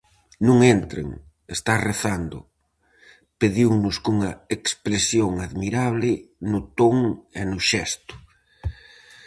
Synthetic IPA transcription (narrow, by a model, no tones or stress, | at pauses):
nũŋent̪ɾḛŋ | est̪areθand̪ʊ̰ | peðiwnʊskuŋɐekspɾesjoŋaðmiɾaβlɪnʊt̪oŋenʊʃɛst̪ʊ̥